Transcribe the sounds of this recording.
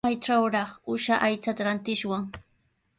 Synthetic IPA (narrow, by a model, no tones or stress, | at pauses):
ajʈ͡ʂawɾɑχʊʃaʔajt͡sat̪aɾant̪ɪʃwaŋ